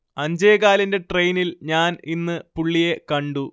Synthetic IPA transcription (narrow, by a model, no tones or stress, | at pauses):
ɐɲd͡ʑeːɣaːlɐnde̞ʈrejnilɲaːninːɨpuɭːije̞kɐɳɖu